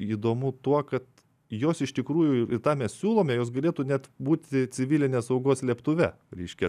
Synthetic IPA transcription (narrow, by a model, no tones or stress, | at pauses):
iːd̪oːmʊt̪uɔkɐt̪ | joːsɪʃt̪ʲɪkɾuːjʊɪɪt̪ɑːmʲɛssʲuːlˠoːmʲɛjoːs̬ɡɐlʲeːt̪uːnʲɛt̪buːt̪ʲɪt͡sʲɪʋʲilʲɪnʲeːɐsɐʊɡoːslʲiɛpt̪ʊʋʲɛ | ɾʲɛɪʃʲkʲɛ